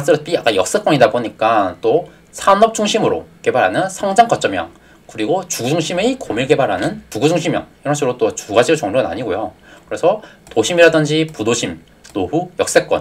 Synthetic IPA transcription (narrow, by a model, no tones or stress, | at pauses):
s͈ɯɾʌp͈ʰiak͈ajʌk̚s͈ek͈wʌɲidaboɲik͈at͈o | sʰanʌp̚t͡ɕ͈ʰuŋɕʰimɯɾo̰ke̞baɾɦanɯnsʰaŋd͡ʑaŋkʌt͡ɕ͈ʌmjʌ̰ŋ | kɯɾiɡot͡ɕuɡud͡ʑuŋɕʰimekomiɭke̞baɾɦanɯnpuɡud͡ʑuŋɕʰimjʌ̰ŋiɾʌnsʰeɾot͈ot͡ɕuɡad͡ʑit͡ɕʌŋɾoɯna̰ɲiɡojokɯɾe̞sʰʌtoɕʰimiɾadɯnd͡ʑipudoɕʰim | nobujʌk̚s͈ek͈ʌ̰n